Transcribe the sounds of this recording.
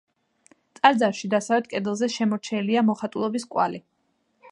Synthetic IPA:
t̪sʼaɾd̪zaɾʃid̪asavɛt̪̚kʼɛd̪lˠzɛʃɛmɔɾt͡ʃʰɛliamɔχat̪ʼulˠɔbiskʼwa̰li

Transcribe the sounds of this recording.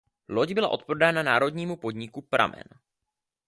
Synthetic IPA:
lo̞ɟbɪla̰ʔo̞t̪̚pɾodaːnanaːɾo̞dɲiːmupo̞dɲɪkupɾʔa̰mɛ̰n

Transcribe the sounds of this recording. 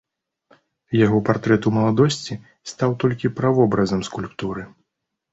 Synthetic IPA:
jaɣɔpart̪ɾɛt̪umɐlˠad̪ɔsʲt͡sʲi | st̪awt̪ɔlʲkʲipɾavɔbɾɐzɐmskulʲpt̪uɾɨ

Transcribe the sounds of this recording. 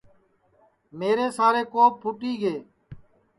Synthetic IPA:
meːɾeːsaːɾeːkoːp̚pʰʊʈiːɡeː

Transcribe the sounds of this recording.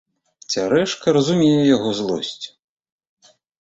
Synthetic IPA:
t͡sʲaɾɛʂkɐɾɐzumʲejɛjaɣɔzlˠɔ̰sʲt͡sʲ

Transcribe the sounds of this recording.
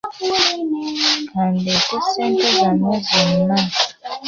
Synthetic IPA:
kʰandɛkusɛntɛzanɛzɔnna

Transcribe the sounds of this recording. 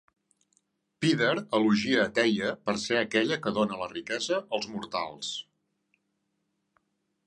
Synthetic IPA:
piðəɾəluʒiəːt̪ɛjəpəɾseəkɛʎəkəðonələrikɛzəʔəlˠzmuɾt̪a̰lˠs

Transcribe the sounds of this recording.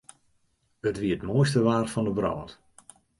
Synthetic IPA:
ətʋiətmoːjstəʋaːrfɔndəbrɔ̰ːt

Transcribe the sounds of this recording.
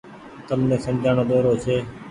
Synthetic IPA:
t̪əlnẽːsəmd͡ʒʱaːɳ̃oːd̪oːɾoːt͡ʃʰeː

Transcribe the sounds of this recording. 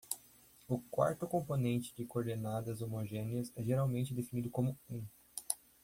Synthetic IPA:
ʊkwa̰ɾt̪ʊkõmponẽnt͡ʃɪ̥d͡ʒɪkoɾd̪enad̪ɐzomoʒẽniɐzɛʒeɾawmẽnt͡ʃɪd̪efinid̪ʊkõmʊẽ

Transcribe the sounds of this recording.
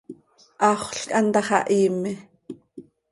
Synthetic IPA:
ʔɑχʷɬkʼʔɑnt̪ɑχɑ̰ʔiːmɪ

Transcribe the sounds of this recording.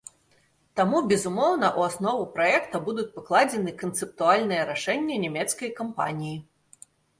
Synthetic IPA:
t̪amubʲɛzumɔwnɐʔuasnɔvupɾajɛkt̪ɐbud̪ut͡sʲpɨklˠad͡zʲɛnɨkɐnt̪sɨp̚t̪ualʲnɨjɛɾaʂɛnʲːɐnʲɛmʲɛt̪skɐjkampa̰nʲiji

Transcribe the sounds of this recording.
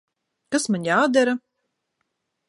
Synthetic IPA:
kasmaɲʲaːd̪æɾa

